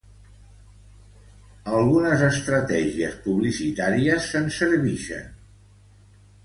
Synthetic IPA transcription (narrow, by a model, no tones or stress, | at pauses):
əlˠɣunəzəst̪ɾət̪ɛʒiəspuβlisit̪aɾiəsːənsəɾβiʃə̰n